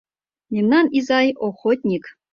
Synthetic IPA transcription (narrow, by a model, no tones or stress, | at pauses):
mʲemnɑnizɑjoxot̪ʲnʲik